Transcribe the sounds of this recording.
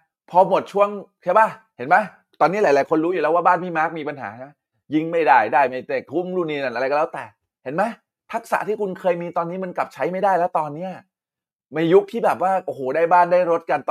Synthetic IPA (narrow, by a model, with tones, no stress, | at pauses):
pʰɔː˧mo˨˩t̪̚t͡ɕʰu˥˩əŋt͡ɕʰa˥˩baː˥˩ | he˩˦nma˦˥˩ | t̪ɔː˧niː˦˥laː˨˦laː˨˦jkʰo˧nɾuː˦ju˨˩lɛː˦˥waː˥˩baː˥˩nmʰiː˥˩ma˦˥k̚miː˧pa˧nɦa̰ː˩˦na˦˥ | ji˦˧˥ŋma˥˩jdaː˥˩jdaː˥˩jma˥˩jt̪e˨˩k̚t̪ʰu˦˥˩mɾuː˧˩niː˧˩na˨˩nʔɾa˧jkɔ˧lːɛ˦˥wt̪ɛː˨˩ | he˩˦nma˦˥j | p̪ʰa˦˥k̚sa̰˩˦t̪ʰiː˥˩kʰu˧nkʰɤː˧jmiː˧t̪ɔː˧nːiː˦˥ma˧nkla˨˩p̚t͡ɕʰa˦˥jma˥˩jdaː˥˩jlɛː˦˥wt̪ɔː˧nːi˦˥ɐ | ma˧ju˦˥k̚t̪ʰiː˥˩bɛː˨˩p̬̚waː˥˩ʔoː˧˩hoː˨˩˦daː˥˩jbaː˥˩ndaː˥˩jɾo˦˥t̪̚ka˧nt̪